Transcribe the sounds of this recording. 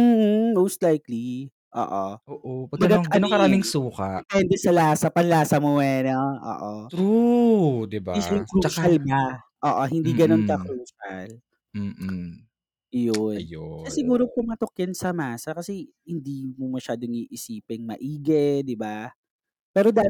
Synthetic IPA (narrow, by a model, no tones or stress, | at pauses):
m̩ːh̩mowst̪lajkli | ʔo̰ːʔoʔoːʔopɐmɐɡɐʔɐnkɐɾaːmɪŋsuːkɐpɛnd̪ɛsɐlaːsɐpɐnlaːsɐmowɛnoʔo̰ːʔot̪ɾu | d̪ɪbaɪskɾuʃɐlba | ʔoːʔohɪnd̪iːɡɐnonkɐkɾuːʃɐ̰l̩ː | jonjoʃasɪɡuːɾopʊŋmɐt̪okjɐnsɐmaːsɐkɐsɛ | hɪnd̪imomɐʃaːd̪oŋiːʔɪsiːpɛŋmɐ̰ʔiːɡɛd̪ɪba | pɛːɾo̞d̪a